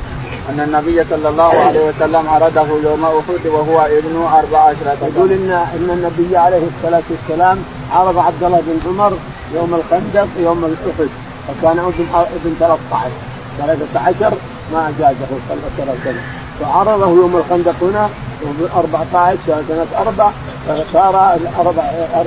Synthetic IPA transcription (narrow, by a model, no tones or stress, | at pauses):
ʔanːanːabɪjːasˤɑlːɑlˤːɑːhʕaleːhiwasalːamʕɑɾˤɑd̪ahujoːmaʔʊħʊd̪waɦʊwaʔɪbnuʔɑɾˤbaʕʕaʃɾˤɑt̪jaɡuːlʔɪnːaʔɪnːanːabɪjːaʕalejhsˤːɑlaːt̪uwasːalaːm | ʕɑɾˤɑðˤɑʕab̚d̪ɑlˤːɑhbɪnʕʊmɑɾˤ | joːmalxand̪aqjoːmalʔʊħʊd̪ | fakaːnɪbnʔɪbɪnt̪alaːθt̪ˤɑʕɪʃ | t̪alaːθat̪ʕaʃɑɾˤ | maʔad͡ʒaːd̪ahusalt̪alaːfsana | faʕɑɾˤɑðˤɑhujoːmalxand̪ɑqhʊna | bʔɑɾˤbɑʕt̪ˤɑʕɪʃsasanat̪ʔɑɾˤbaʕ | fasˤɑːɾˤɑɑɾˤb